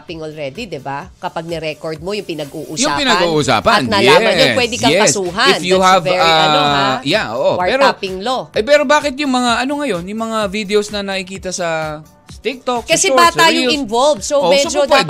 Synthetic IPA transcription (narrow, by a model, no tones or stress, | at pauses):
pɪŋʔolɾɛd̪id̪ɛbakɐpaɡ̚nɛɾɛkoɹd̪̚mojʊŋpɪnɐɡuʔujʊpɪnɐɡɡuːʔʊsa̰ːpɐnnɐaɛɐopwɛd̪ɪkɐɛɐssuːɦɐɪnfjuhɐvaɐjaʔo̰ʔowɐpɛːɾopɪŋloʔɐpɛːɾo̞baːkɪt̪̚jʊŋmɐŋaʔɐno̞ŋɐjo̞njʊŋmɐŋavid̪ɛosnɐnɐɪkiːt̪ɐsɐ | st̪ɪk̚t̪okskɐsɛbat̪aːjoɪnvolvsomɛsod͡ʒopwɛd̪